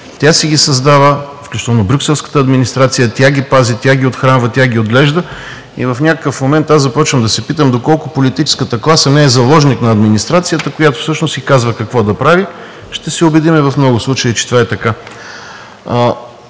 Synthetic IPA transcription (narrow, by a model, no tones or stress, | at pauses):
t̪ʲasɛɡʲisɐzd̪avəfklʲut͡ʃit̪əlˠnobɾʲuksɛlˠskə̥t̪əɐd̪minist̪ɾat̪sijət̪ʲjaɡʲipazit̪ʲaɡʲiot̪xɾanvət̪ʲaɡʲiod̪lɛʒd̪ə | ḭvɐfnʲakəkəfmomɛnt̪azzɐpɔt͡ʃvəmd̪ɐsɛpit̪əmd̪okɔlˠkʊpolit̪it͡ʃɛ̥skət̪əklˠasənɛːzɐlˠɔʒniknɐːd̪minist̪ɾat̪sijət̪əkojat̪ʊ̥fsɤʃnʊsɡʲikazvəkɐkvɔd̪ɐpɾavi | ʃt̪ɛsɛobɛd̪imɛvɐfmnɔɡʊslˠut͡ʃəit͡ʃɛ̥t̪ovaɛt̪ɐka